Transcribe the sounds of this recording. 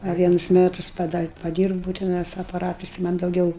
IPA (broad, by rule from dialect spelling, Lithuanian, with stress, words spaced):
ɐ ˈʋʲiɛnʊs ˈmʲæːtʊs pɐdɐ pɐˈdʲiːrbuːʊ tʲɛˈnɐɪ sʊ ɐpɐˈrɑːtɐɪs ɪ ˈmɐnʲ dɐʊˈɡʲɛʊ